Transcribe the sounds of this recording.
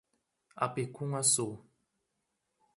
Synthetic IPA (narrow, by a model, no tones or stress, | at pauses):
a̰pekuŋaso